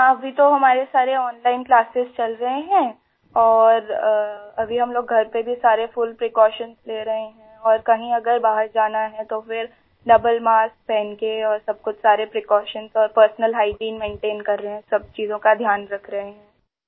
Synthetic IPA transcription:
ɐbʱit̪oɦɐmaːɾesaːɾeɔːnlaːɪnklaːsɪzt͡ʃɐlɾɐɦeɦɛ̃ː | ɔːɾ | ɐbʱiɦɐmloːɡɡʱɐɾpebʱisaːɾefʊlpɾɪkɔːʃənzleːɾɐɦeɦɛ̃ɔːɾkɐɦĩɐɡəɾbaːɦəɾd͡ʒaːnaɦɛ̃t̪ofɪɾ | ɖɐbəlmaːsk̚pɛːnkeɔːɾsɐb̚kʊt͡ʃʰsaːɾepɾekɔːʃənzɔːɾpəɾsnəlɦaːɪʈĩːnmẽːɳʈeːnkɐɾːɐɦeɦɛ̃sɐb̚t͡ʃiːzõkad̪ʱjaːnɾɐkʰɾɐɦeɦɛ̃ː

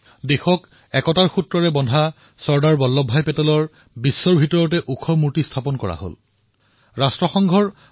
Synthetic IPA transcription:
dexɔk | ɛkɔtaɹxutɹɔɹɛbɔndʱa | sɔɹdaɹbɔlːɔbʱːajpɛtɔlɔɹ | bisːɔɹbʱitɔɹɔt̬ɛʔukʰɔmuɹtistʰapɔnkɔɹa̰ho̰l | ɹastɹɔxɔŋɡʱɔɹ

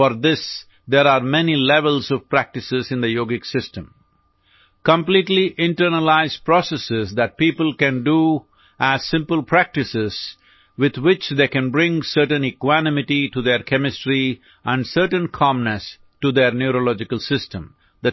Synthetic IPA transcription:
fɔɾd̪ɪs | d̪eɾaːɾmɛnilɛʋəlzɔʋpɾæk̚ʈɪsɪzɪ̃nd̪əjoːɡɪksɪsʈə̃m | kə̃mpliːʈliʔɪ̃ɳʈəɾnəlaɪzpɾɔsəsɪzd̪æʈ̚piːpəlkæ̃nɖu | ʔæz̥sɪ̃mpəlpʰɾæk̚ʈɪsɪz̥ | ʋɪd̪wɪt͡ʃd̪eːkæ̃nbɾɪ̃ŋsəɾʈə̃nɪkwænɪmɪʈiʈud̪eɾkʰɛmɪsʈɾi | ʔæ̃ɳɖsəɾʈə̃nkʰɑ̃mnəs | ʈud̪eɾnjuɾolɔd͡ʒɪkəlsɪsʈə̰̃m | d̪ə

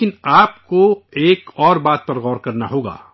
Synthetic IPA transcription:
kɪnaːpkoeːkɔːɾbaːt̪̚pɐɾɣɔːɾkɐɾnaɦoːɡa̰ː

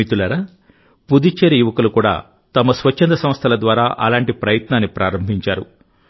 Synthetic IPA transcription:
it̪ulɐɾɐ | pud̪it͡ʃeɾijuʋɐkɐlukuːɽa̰ː | t̪ɐmɐsʋɐt͡ʃːɐnd̪ɐsɐmst̪ʰɐlɐd̪ʋaːɾaːʔɐ̰laːɳʈipɾɐjɐt̪naːnːipɾʔa̰ːɾɐmbʱiɲt͡ʃaːɾṵ

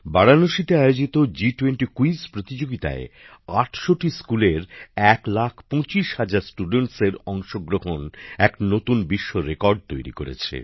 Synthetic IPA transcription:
baɽanoʃit̪eajod͡ʑit̪od͡ʑiʈweɳʈikuispɾot̪id͡ʑoɡit̪a̰e | aʈʰʃoʈiskuleɾɛklakʰpɔ̃t͡ɕiʃhad͡ʑaɾsʈuɖeɳʈseɾɔŋʃoɡɾoɦonɛknot̪unbiʃːoɾekɔɾɖ̚t̪ojɾḭkoɾḛt͡ɕʰḛ

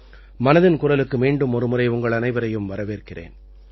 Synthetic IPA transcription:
mɐnɐðɪnkʊɽɐlɯkːɯmiːɳɖɯmɔɾɯmʊrɐɪʊŋɡɐɭɐnɐɪʋɐɾɐjɯmʋɐɾɐʋeːrkɪrḛːn

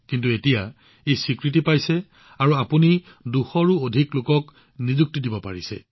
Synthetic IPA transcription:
kintuetija | ejsikɹit̬ipajsɛ | aɹuapuni | duxɔɹuodʱiklʊkɔk | nizuk̚tidibɔpa̰ɹisɛ̰

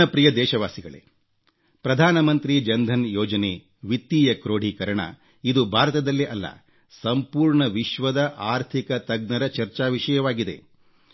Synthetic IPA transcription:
ɐpɾijɐd̪ɛːʃɐʋaːsiɡɐɭḛ | pɾɐd̪ʱaːnɐmɐnt̪ɾid͡ʒɐnd̪ʱɐnjɔːd͡ʒɐneː | ʋit̪ːiːjɐkɾoːɖ̤ʱikɐɾɐɳɐ̰ | id̪ubʱaːɾɐt̪ɐd̪ɐlːiʔɐlːɐ̰ | sɐmpuːɾɳɐʋiʃʋɐd̪ɐʔaːɾt̪ʰikɐt̪ɐɡ̚nɐɾɐt͡ʃɐɾt͡ʃaːʋiʂɐjɐʋaːɡid̪e̞̰

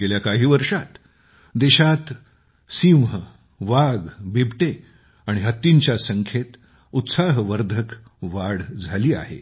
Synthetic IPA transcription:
eljakaɦiːʋəɾʂat̪ | d̪eɕat̪ | simɦə | ʋaɡbebʱʈe | aɽ̃iɦət̪ːiɲt͡ɕjasəŋkʰet̪ | ut̪saɦʋəɾd̪ʱək | ʋaɽd͡zʱaliːa̰ɦḛ

